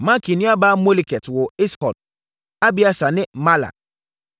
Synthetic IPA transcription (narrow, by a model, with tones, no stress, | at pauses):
mã˦kʰi˨nĩ˦a˦baː˦mo˦li˨kʰɛ˨twɔ˨ɪ˦shɔ˨d | a˦bi˦a˨sa˨nɪ̃˦ma˦la̰˨